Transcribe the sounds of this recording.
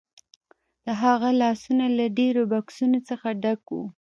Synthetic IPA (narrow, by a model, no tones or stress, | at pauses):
d̪̥əɦaɣalɑsunalaɖeɾobɑksunot͡səxaɖakwṵ